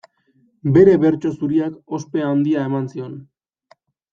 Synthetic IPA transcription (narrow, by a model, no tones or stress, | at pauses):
be̞ɾe̞βe̞ɾt͡ʃo̞suɾiako̞speand̪iae̞mansio̞n